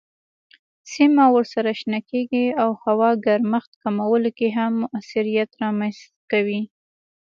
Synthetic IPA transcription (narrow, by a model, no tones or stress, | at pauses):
simawəɾsaɾaʃnɑkeɡiawhawɑɡaɾmaxt̪kamawəlokeɦamːʊʔasiɾijat̪ɾɑmanst̪kawi